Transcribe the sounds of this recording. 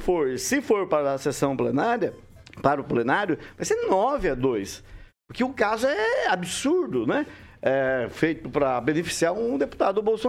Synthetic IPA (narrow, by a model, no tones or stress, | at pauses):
foɾsɪfoɾpaɾɐsesɐ̃w̃plenaɾjɐ | paɾʊplenaɾjʊvajsenɔvɪɐd̪ojspʊɾkɪʊkazʊʊɛabisuɾd̪ʊnɛɛfejt̪ʊpɾɐbẽnefi̥siaɾʊ̃d̪epu̥t̪ad̪ʊbowso